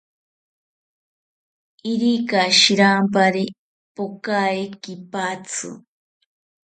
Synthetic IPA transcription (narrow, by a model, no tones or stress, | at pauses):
iɾikaʃiɾampaɾi | pokaekipat͡sʰɨ̰